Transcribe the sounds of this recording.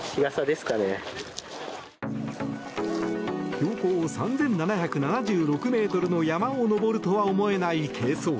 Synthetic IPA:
kiɡasad̪e̞sɨ̥kane | ço̞ːkoːsãnd͡zẽ̞nːanaçakɯ̟nanaʑɨːɾo̞kɯ̟me̞ːt̪o̞ɾɯ̟no̞jamãono̞bo̞ɾɯ̟t̪o̞βaomo̞e̞naikʰe̞ːso̞ː

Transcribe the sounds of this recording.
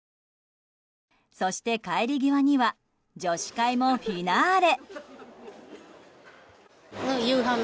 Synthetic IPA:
so̞ɕi̥t̪e̞kaeɾʲiɡʲiβaɲ̟iβa | d͡ʑo̞ɕi̥kaimo̞ɸʲinaɾe̞ | jɯːɦã

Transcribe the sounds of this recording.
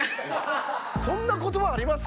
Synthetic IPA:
sõ̞nːako̞t̪o̞βaːɾʲimas

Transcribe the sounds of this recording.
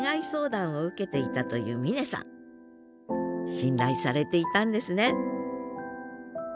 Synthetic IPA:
ŋaiso̞ːd̪ãɰ̃o̞ɯ̟ke̞t̪e̞it̪at̪o̞jɯ̟̰ːmʲine̞sã̰ŋ | ɕĩnɾaisaɾe̞t̪e̞it̪ãnd̪e̞sɨne̞

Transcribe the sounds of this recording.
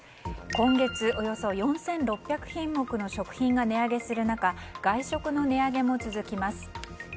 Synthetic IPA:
kõ̞ŋɡe̞t͡sɨo̞jo̞so̞jõ̞ɰ̃sẽ̞nɾo̞pʲjakɯ̟̥çĩmːo̞kɯ̟no̞ɕo̞kɯ̟̥çĩŋɡane̞aɡe̞sɨɾɯ̟nakaɡ̥aiɕo̞kɯ̟no̞ne̞aɡe̞mo̞t͡sɨzɨkʲimasɨ̥

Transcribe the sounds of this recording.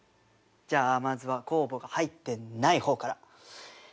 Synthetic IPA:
d͡ʑaːmazɨβako̞ːbo̞ɡahait̪ːe̞naiho̞ːkaɾa

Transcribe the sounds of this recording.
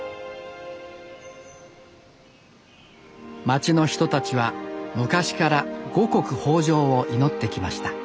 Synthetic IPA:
mat͡ɕino̞çi̥t̪o̞t̪at͡ɕiβamɯ̟kaɕi̥kaɾaɡ̥o̞ko̞kɯ̟ho̞ːʑo̞ːoʔino̞t̪ːe̞kʲimaɕi̥t̪ḁ

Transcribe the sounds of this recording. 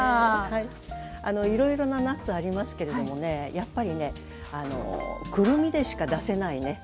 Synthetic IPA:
aːhai | ano̞iɾo̞iɾo̞nanat͡sɨaɾʲimasɨ̥ke̞ɾe̞d̪o̞mo̞ne̞japːaɾʲine̞ | ano̞̰kɯ̟ɾɯ̟mʲid̪e̞ɕi̥kad̪ase̞naine̞

